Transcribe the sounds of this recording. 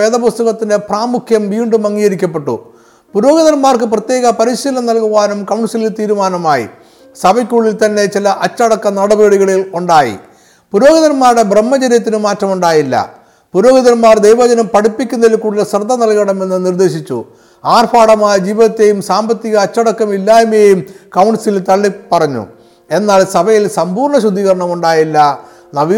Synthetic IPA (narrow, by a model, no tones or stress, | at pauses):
eːðɐpɐst̪ɐɣɐt̪ːinde̞praːmukʰjɐmʋiːɳɖɨmɐŋːijɐɾikʲːɐpːe̞ʈːṵ | puɾo̞ːɡɐðɐnmaːrkɨprɐt̪jeːɣɐpɐɾiɕiːlɐnɐlkuʋaːnumkɐwɳsililt̪iːɾumaːnɐmaːjḭ | sɐbɐkʲːuːɭilt̪ɐnːe̞t͡ɕilɐʔɐt͡ɕːɐɽɐkːɐnɐɽɐbeːɽiɣɐɭiluɳɖaːjḭ | puɾo̞ːɡɐðɐɾmaːɾɽe̞bremːɐd͡ʑɐɾjɐt̪̬ːinɨmaːtːrɐmuɳɖaːjilːɐ̰ | puɾo̞ːɡɐðɐɾmaːrd̪ejʋɐd͡ʑɐnɐmpɐɽipːikʲːunːɐðilkuːɽilsrɨd̪ʱːɐnɐlkɐɳɐme̞nːɨnird̪e̞ːɕit͡ɕːṵ | aːrfʰaːɽɐmaːjɐd͡ʑiːʋinɐt̪ːejumsaːmbɐt̪ːiɣɐːt͡ɕːɐɽɐkːɐmilːaːjumejumkɐwɳɖsilt̪ɐɭːipːɐrɐɲːṵ | e̞nːaːɭsɐbɐjilsɐmbuːrɳɐɕud̪ʱːiːɣɐɾɐɳɐmuɳɖaːjilːɐ | nɐʋi